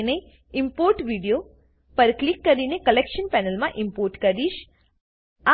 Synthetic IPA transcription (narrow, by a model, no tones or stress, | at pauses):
ne | ɪmpoɾʈʋiɖijo | pəɾklikːəɾinekəlekʃənpɛnəlmãʔɪ̃mpoːɾʈkəɾiʃ | a